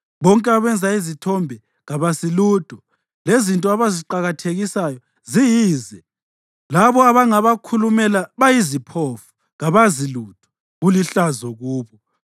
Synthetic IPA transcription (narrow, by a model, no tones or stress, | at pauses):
βɔŋkʼɛaβɛnd͡zʱaizitʰɔmbʱɛ | ɣaβasiluːd̥ʱɔ | lezintʼɔaβaziǃaɣatʰeɣisajɔ | zijiːzɛ | laβɔaβaŋaβakʰulumɛlaβajizipʰofu̥ | ɣaβazilud̥ʱɔ̥ | ɣuliɬazɔɣuːβɔ